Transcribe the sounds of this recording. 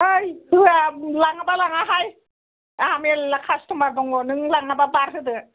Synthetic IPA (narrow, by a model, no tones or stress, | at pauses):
ɯjkɯalaŋabalaŋaɦaj | amellakʰastʰɔmaɾbɔŋɔnɯŋlaŋababaɾɦɯdɯ